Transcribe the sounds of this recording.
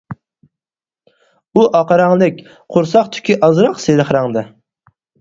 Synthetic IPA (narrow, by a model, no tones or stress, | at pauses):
uʔɑqɑɾɑŋlˠɪk̚ʲ | qʰʊɾsɑqt̪ʰy̥kʲʰiʔɑzɾɑqseɾɨχɾɑŋd̪ɨ